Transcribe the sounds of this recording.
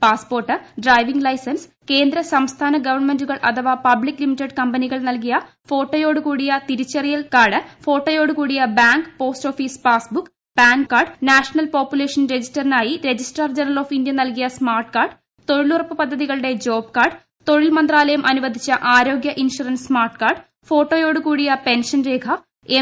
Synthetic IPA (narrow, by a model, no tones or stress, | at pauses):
paːspo̞ːrʈːɨɖraːjʋiŋɡlɐjsɐns | ke̞ːnd̪ɾɐsɐmst̪ʰaːnɐɡɐʋɐrɳme̞nduɣɐɭʔɐ̰t̪ʰɐʋaːpɐblikːlimitːɐɖkɐmbɐniɣɐɭnɐlkijɐ | fo̞ːʈːɐjo̞ːɽukuːɽijɐt̪iɾit͡ɕːɐrijɐlkaːɖɨfo̞ːʈːɐjo̞ːɽukuːɽijɐbaːŋɡpo̞ːstoːfispaːsbukː | b̥aːŋkːaːrɖnaːʂɐnɐlpoːpjule̞ːʂɐnɾe̞d͡ʑistɐrinaːjiɾe̞d͡ʑisʈɐrd͡ʑenɐloːfindjɐnɐlkijɐsmaːrʈkaːrɖ | t̪o̞ɻilurɐpːɨpɐd̪ʱːɐðiɣɐɭɨɽe̞d͡ʑo̞ːbkaːɖ | t̪o̞ɻilmɐnd̪raːlɐjɐmʔɐnuʋɐd̪ʱit͡ɕːɐʔaːɾo̞ːɡjɐʔinʂuɾɐnsmaːrʈkaːrɖ | fo̞ːʈːoːjoːɽukuːɽijɐpe̞nʂɐnɾe̞ːkʰɐ | e